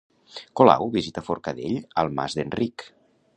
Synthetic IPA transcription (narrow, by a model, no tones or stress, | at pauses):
kola̰wβizit̪əfoɾkəðeʎəlˠma̰zd̪ənrik